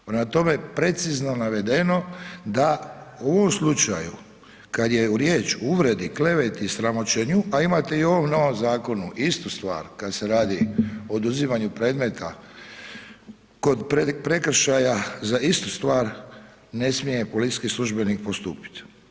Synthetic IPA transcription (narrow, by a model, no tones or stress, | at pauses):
nat̪o̞mepɾe̞t̪sizno̞naʋe̞d̪e̞no̞d̪aoʋo̞mslˠut͡ʃa̰ju | kad̪je̞uɾjeːt͡ʃuuʋɾe̞d̪ikle̞ʋe̞t̪isɾamo̞t͡ʃeɲuʔaimat̪eio̞ʋo̞mno̞ʋo̞mzaːko̞nuʔist̪ust̪ʋa̰ːɾkad̪se̞ɾaːd̪iood̪uzimaɲupɾe̞ːd̪me̞t̪ʰa | ko̞d̪ppɾe̞kr̩ʃajazaist̪ust̪ʋaːɾ | ne̞smije̞polit̪i̥t͡ʃkislˠuʒbe̞nik̚po̞st̪uːpi̥t̪